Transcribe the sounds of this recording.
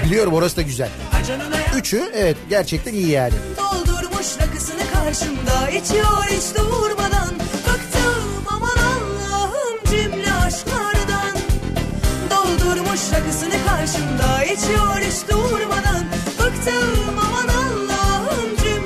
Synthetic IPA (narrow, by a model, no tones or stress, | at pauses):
bilʲijo̞ɾumo̞ɾasɯd̪aɟyzæ̰lʲd͡ʒyt͡ʃʰyɛvɛt̪ɟæɾt͡ʃʰɛc̚t̪ʰænijijæɾd̪ʲɛ̰d̪o̞lˠd̪uɾmuʃlakɯsɯnɯkʰaɾʃɯnd̪ait͡ʃʰijoɾit͡ʃt̪uuɾmad̪anfɯkt̪ʰɯ | mamad̪anlˠaːɦɯmd͡ʒymlʲiaʃmaɾd̪an | d̪o̞lˠd̪uɾmuʃɾakɯsɯnɯkʰaɾʃɯnd̪ait͡ʃʰijoɾit͡ʃd̪uuɾmad̪an | fɯkt̪ʰɯmamad̪anlˠaɦɯmd͡ʒym